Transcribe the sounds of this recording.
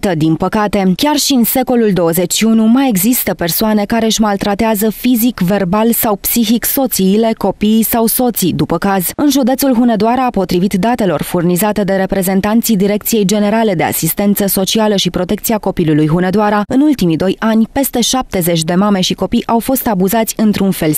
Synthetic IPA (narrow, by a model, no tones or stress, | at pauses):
t̪əd̪inpəkat̪e̞kʲarʃiɨnse̞ko̞luld̪o̞wəze̞t͡ʃʲːiunumaje̞ɡzist̪əpe̞rsoane̞kaɾe̞ɨʃʲmalt̪ɾat̪eazəfizikve̞rbalsawpsiçikso̞t̪siːle̞ko̞pijːsawso̞t̪sid̪upəkaz̥ɨnʒud̪e̞t̪sulɦune̞d̪oaɾaːpo̞t̪ɾivit̪d̪at̪e̞lo̞rfurnizat̪e̞d̪e̞ɾe̞pɾe̞ze̞nt̪ant̪sijd̪iɾe̞k̚t̪sije̞jd͡ʒe̞ne̞ɾale̞d̪e̞a̰sist̪e̞nt̪səso̞t͡ʃialəʃipɾo̞t̪e̞kt̪siako̞pilulujɦune̞d̪oaɾaɨnult̪imid̪o̞janʲpe̞st̪e̞ʃap̚t̪e̞ze̞t͡ʃʲd̪e̞mame̞ʃiko̞pijʔawfo̞st̪abuzat̪sʲɨnt̪ɾunfe̞l